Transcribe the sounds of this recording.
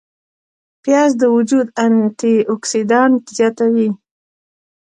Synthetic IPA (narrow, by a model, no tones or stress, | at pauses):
pjɑzd̪əwʊd͡ʒud̪ant̪iʊksid̪ɑnʈzjɑt̪awi